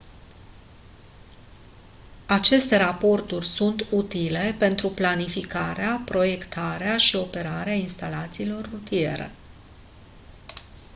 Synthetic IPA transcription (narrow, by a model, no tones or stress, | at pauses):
at͡ʃe̞st̪e̞ɾapo̞rt̪urʲsunt̪ut̪ile̞pe̞nt̪ɾuplanifikaɾeapɾo̞je̞kt̪ʰaɾeaʃio̞pe̞ɾaɾeainst̪alat̪siːlo̞rːut̪ie̞̰ɾḛ